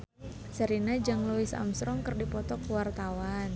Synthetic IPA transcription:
səɾinad͡ʒaŋluwɪsa̰msɾɔŋkərdipɔt̪ɔkəwart̪awan

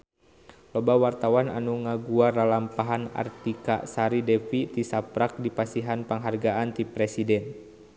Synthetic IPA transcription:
lɔbawart̪awana̰nuŋaɡuaralampaɦana̰rt̪ika̰saɾidɛfit̪isapɾak̚dipasiɦanpaŋɦarɡaʔant̪ipɾɛsidɛn

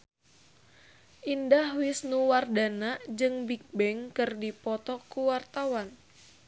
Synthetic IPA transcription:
ʔindahwɪsnuwardanad͡ʒɨŋbik̚bɛŋkɨrdipɔt̪ɔkuwart̪awan

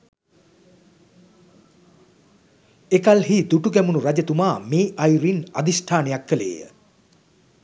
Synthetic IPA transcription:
ekalɦiːd̪uʈuɡɛmunuɾad͡ʑət̪umaːmeːʔajɾina̰d̪isʈʰaːnejakːəlḛːjə̰

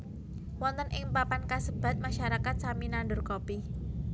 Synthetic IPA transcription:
wɔnt̪ənʔɪŋpapankasəb̥a̤t̪̚maʃaɾakat̪̚saminandʊrkopi

